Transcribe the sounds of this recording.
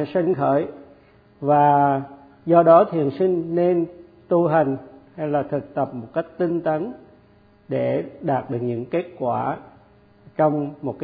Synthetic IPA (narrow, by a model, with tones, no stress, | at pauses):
sa˧ŋ̟xə̰ː˧˩j | vaː˨˩ | zɔ˧ɗɔ˨˦t̪ʰḭ˨ənsï˧ŋ̟ne˧n | t̪u˧ɦa˨˩jŋ̟ha˧jlaː˨˩t̪ʰɨ˨˩k̚t̪ə˨˩p̚mo˨˩t̚ka˦˥jk̟̚t̪i˧ŋ̟t̪ə˨˦n | ɗe˧˩ɗaː˨˩t̚ɗɨ˨˩ək̚ɲɨ̰˧˥ŋke˦˥t̚kwaː˧˩ | t͡ɕɔ˧wŋ͡mmo˨˩t̚kː